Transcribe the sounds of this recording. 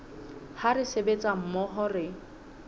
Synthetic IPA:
haɾɪsebet͡sʼam̩mɔɦɔrɪ

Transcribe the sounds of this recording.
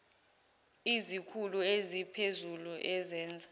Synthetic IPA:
izikʰuluezipʰezuluʔɛzɛːnd͡zʱa

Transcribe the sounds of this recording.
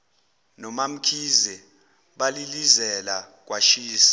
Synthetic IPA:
nɔmam̩kʰizɛ | ɓalilizɛla | k̬waʃiːsi̥

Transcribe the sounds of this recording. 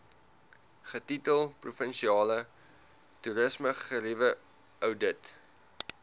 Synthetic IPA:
χətitəlˠprufənʃiɑːlə | tuɾəsməχəɾivə | œwdət

